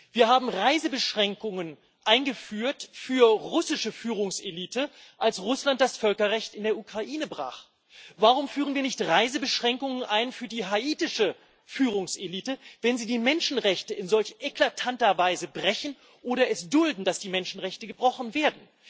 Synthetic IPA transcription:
viːɐɦaːbm̩ʁaɪzəbəʃʁ̥ɛŋkʊŋən | ʔaɪnɡəfyːɐtfyːɐʁʊsɪʃəfyːʁʊŋseliːtəʔalsʁʊslant̚d̥asfœlkɐʁɛçtɪndeːɐʔukʁ̥aʔiːnəbʁa̰ːχ | vaʁʊmfyːʁənviːɐnɪçtʁaɪzəbəʃʁ̥ɛŋkʊŋənʔaɪnfyːɐdiːɦaʔiːtɪʃə | fyːʁʊŋsʔeliːtəvɛnziːdiːmɛnʃn̩ʁɛçtəʔɪnzɔlçʔeklatʰantɐvaɪzəbʁɛçn̩ | ʔoːɾɐɛsd̥ʊldn̩dasd̥iːmɛnʃn̩ʁɛçtəɡəbʁɔχn̩veːɐdn̩

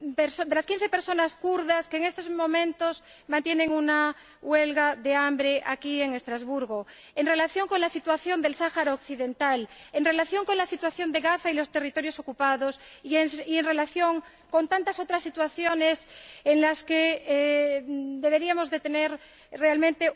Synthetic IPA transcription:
peɾsod̪elaskĩn̟θepeɾso̞naskuɾðaskeːŋe̞st̪ozmõmẽnt̪os | mãnt̪jenẽŋuna | welɣaðeambɾeʔakie̞ŋe̞st̪ɾazβuɾɣo | enre̞laθjo̞ŋkonlasit̪waθjo̞nd̪e̞lsaxaɾaokθiðe̞nt̪alenre̞laθjo̞ŋko̞nlasit̪waθjo̞nd̪e̞ɣaθailo̞st̪e̞rit̪o̞ɾjo̞sokupaðosienrelaθjo̞ŋ | ko̞nt̪ant̪aso̞t̪ɾasːit̪waθjo̞neseŋlaske | d̪e̞β̞e̞ɾiamo̞zðe̞t̪eneɾ | realmẽnt̪e

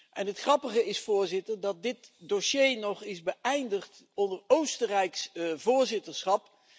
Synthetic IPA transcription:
ʔɛnɦətχrɑpəχəɪsfʊːɹzɪtəɹdɑt̚dɪtdoʃejnɔχɪzbəɛjndəχt | ɔndəɹowstərɛjksvʊːɹzɪtəɹsχɑp

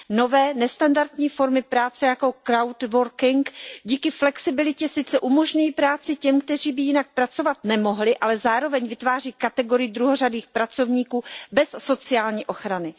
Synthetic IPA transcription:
no̞vɛːnɛst̪andaɾt̪ɲiːfo̞ɾmɪpɾaːt͡sɛjako̞kɾawt̪vo̞ɾkɪŋkɟiːkɪflɛksɪbɪlɪcɛsɪt͡sɛʔumo̞ʒɲujiːpɾaːt͡sɪcɛmkt̪ɛr̝iːbɪjɪnak̚pɾat͡so̞vat̪̚nɛmo̞ɦlɪʔalɛzaːɾo̞vɛɲvɪt̪vaːr̝iːkat̪ɛɡo̞ɾɪjɪd̪ɾuɦoradiːxpɾat͡so̞vɲiːkuːbɛsːo̞t͡sɪjaːlɲiːʔo̞xɾanɪ

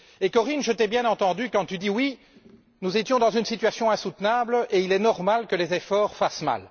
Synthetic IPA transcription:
ekɔʁinʒət̪ɛbjɛ̃nɑ̃t̪ɑ̃d̪ykɑ̃t̪yd̪iwi | nuzet̪jɔ̃d̪ɑ̃zynsit̪yasjɔ̃ɛ̃sut̪nableilɛnɔʁmalkəlezefɔːʁfasma̰l

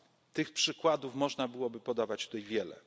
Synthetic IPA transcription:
t̪ɘxpʂɘkwad̪ufmɔʐnabɘwɔbɘpɔd̪avat͡ɕt̪ut̪ɛjvʲjɛlɛ̰

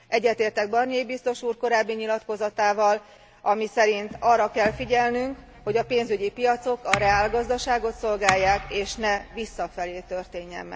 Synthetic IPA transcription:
ʔɛɟːɛt̪eːrt̪ɛɡ̚bɒrniejibist̪o̞ʃuːrko̞ɾaːbːiɲilɒt̪ko̞zɒt̪aːvɒl | ɒmisɛɾint̪ɒrːɒkɛlfiɟɛlnyŋk | ho̞ɟɒpeːnzyɟipijɒt̪so̞kɒɾɛaːlɡɒzd̪ɒʃaːɡo̞t̪so̞lɡaːjːaːkeːʃnɛvisːɒfɛleːt̪ø̞rt̪eːɲːɛ̰mːɛ̰

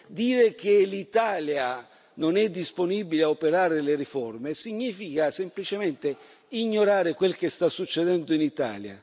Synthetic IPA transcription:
d̪iːɾek̟elit̪aːlja | nonɛd̪ːisponiːbileaopeɾaːɾɪleɾifɔrmesiɲːiːfikasemplit͡ʃemɛnt̪e | iɲːoɾaːɾɪkwelkest̪asːut͡ʃːed̪ɛnd̪ʊinit̪a̰ːlja̰

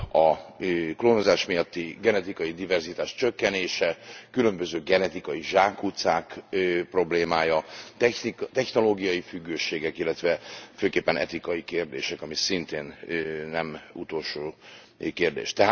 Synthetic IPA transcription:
ɒkloːnozaːʃmijɒt̪ːiɡɛnɛt̪ikɒjid̪ivɛrzit̪aːʃt͡ʃøkːɛneːʃɛkylø̞mbø̞zøːɡɛnɛt̪ikɒjiʒaːkut̪saːkpro̞bleːmaːjɒt̪ɛnit̪ɛçno̞loːɡijɒjifyɡːøːʃeːɡɛkilːɛt̪ʋɛføːkeːpːɛnɛ̰t̪ikɒjikeːrd̪ḛːʃɛkɒmisint̪eːnnɛmṵt̪oːlʃoː | keːrd̪ḛːʃt̪ɛɦa

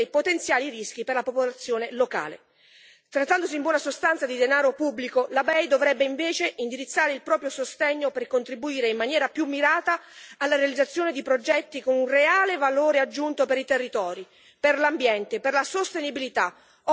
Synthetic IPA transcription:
ejpot̪ent̪sjaːlirisk̟iperlapopolat̪sːjoːneloka̰ːlḛ | t̪ɾat̪ːand̪osiːmbwɔːnasost̪ant̪sad̪id̪enaːɾopubːlikolabɛjd̪ovɾɛbːeiɱveːt͡ʃeʔind̪iɾit̪sːaːɾeilpɾɔːpɾjosost̪ɛɲːoperkont̪ɾibuiːɾeimmanjɛːɾapjumːiɾaːt̪aːlːaɾealid̪zat̪sːjoːned̪ipɾod͡ʒɛt̪ːikonunreaːlevaloːɾead͡ʒːunt̪opeɾit̪erːit̪ɔːɾi | perlambjɛnt̪eperlasost̪enibilit̪a

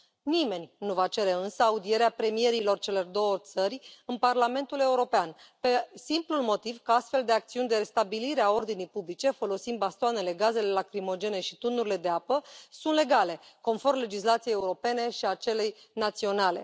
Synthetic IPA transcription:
nime̞nʲnuvat͡ʃe̞ɾe̞ɨnsəaud̪ie̞ɾeapɾe̞mije̞ɾilo̞rt͡ʃe̞le̞rd̪o̞wət̪sərʲɨnparlame̞nt̪ule̞uɾo̞pean | pe̞simplulmo̞t̪ivkəast̪fe̞ld̪e̞ak̚t̪siunʲd̪e̞ɾe̞st̪abiliɾeao̞rd̪inijpublit͡ʃe̞fo̞lo̞sind̪bast̪oane̞le̞ɡaze̞le̞lakɾimo̞d͡ʒe̞neʃit̪unuɾile̞d̪eapəsunt̪le̞ɡale̞ko̞nfo̞rmle̞d͡ʒislat̪sieːeuɾo̞pe̞ne̞ʃiat͡ʃe̞le̞j | nat̪sio̞nale̞̰

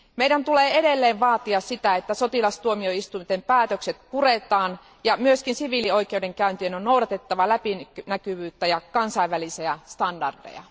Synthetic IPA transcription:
meidænt̪uleːeɾelːeːʋʋɑːt̪iɑssit̪æet̪ːæsot̪ilɑst̪uomioist̪umt̪empæːt̪økset̪puret̪ɑːn | jɑmyøskinsiʋilio̞ijk̟eude̞ŋkæynt̪ienonnoudɑt̪e̞t̪ːɑʋɑlæpinnækyʋyːt̪ːæjɑkɑnsɑiʋʋælisiæst̪ɑndɑrdḛjɑ̰

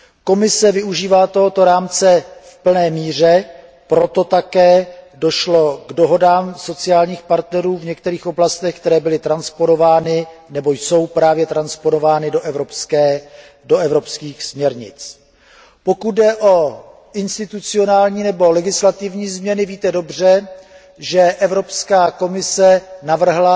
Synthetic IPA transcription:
ko̞mɪsɛvɪuʒiːvaːt̪o̞ɦo̞t̪o̞ɾaːmt͡sɛfpl̩nɛːmiːr̝ɛ | pɾo̞t̪o̞t̪akɛːdo̞ʃlo̞ɡdo̞ɦo̞daːmso̞t͡sɪaːlɲiːxpaɾt̪nɛɾuːvɲɛk̚t̪ɛɾiːxʔo̞blast̪ɛxk̚t̪ɛɾɛːbɪlɪt̪ɾanspono̞vaːnɪnɛbo̞jso̞wpɾaːvjɛt̪ɾanspono̞vaːnɪdoʔɛvɾopskɛː | doɛvɾo̞pskiːxsmɲɛɾɲɪ̰t͡s | po̞kut̪̚dɛʔo̞ | ʔɪnst̪ɪt̪ut͡sɪo̞naːlɲiːnɛbo̞lɛɡɪslat̪ɪvɲiːzmɲɛnɪviːt̪ɛdo̞br̝ɛ | ʒɛʔɛvɾo̞pskaːko̞mɪsɛnavr̩ɦla

